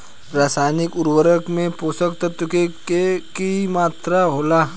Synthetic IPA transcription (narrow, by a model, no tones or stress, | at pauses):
ɾaːsaːjnɪkʊɾwəɾəkmẽpoːsəkt̪ət̪ːʊkekekimaːt̪ɾaɦoːlaː